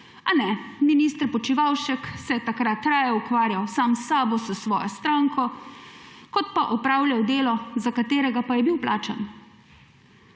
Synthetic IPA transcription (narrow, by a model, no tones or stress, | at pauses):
anɛminist̪ɾpɔt͡ʃiʋawʃɛksɛjɛt̪akɾat̪ːɾaːjɛukʋaːɾjawsaːmsaːbɔsəsʋɔːjɔst̪ɾaːŋkɔ | kɔt̪paʔɔpɾaːwljawd̪eːlɔzakat̪eːɾɛɡapajɛbiwplaːt͡ʃa̰n